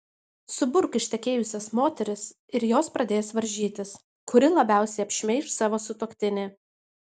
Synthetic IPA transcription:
sʊbʊɾkɪʃʲt̪ʲɛkʲeːjʊsʲɛsmoːt̪ʲɛɾʲɪs | ɪɾjoːspɾɐd̪ʲeːjsʋɐɾʲʒʲiːt̪ʲɪs | kʊɾʲɪlˠɐbʲæˑʊsʲɛɪɐpʲʃʲmʲɛɪʃsɑːʋoːsʊt̪oːkʲt̪ʲɪnʲeː

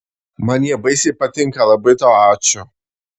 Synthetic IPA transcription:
mɐnʲɛbɐɪsʲipɐt̪ʲɪŋkɐlˠɐbɐɪt̪oːaːt͡ʃʲʊ

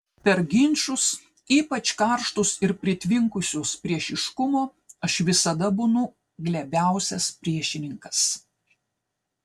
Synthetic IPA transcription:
pʲɛɾɡʲɪnʲˑʃʊs | iːpɐt͡ʃʲkɐɾʃt̪ʊsɪɾpʲɾʲɪt̪ʲʋʲɪŋkʊsʲʊspʲɾʲiɛʃɪʃkʊmoː | ɐʃʋʲɪsɐd̪ɐbʊnʊ | ɡlʲɛbʲæˑʊsʲɛspʲɾʲiɛʃʲɪnʲɪŋkɐs

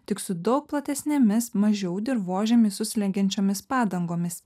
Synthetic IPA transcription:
t̪ʲɪksʊd̪ɒʊk̚plˠɐt̪ʲɛsʲnʲeːmʲɪsmɐʒʲɛʊd̪ʲɪɾʋoːʒʲɛmʲɪsʊsʲlʲɛŋʲɡʲɛnʲt͡ʃʲoːmʲɪspɑːd̪ɐŋɡoːmʲɪs

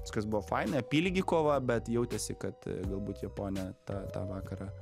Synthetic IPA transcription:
ʋɪskɐsbʊʋoːfɐɪnɐɐpʲiːlʲɡʲɪkoːʋɐbʲɛt̪jɛʊt̪ʲɛsʲɪkɐt̪ɡɐlˠbuːt̪jɛpoːnʲɛt̪ɑːt̪ɑ̰ːʋɑːkɐɾɑː

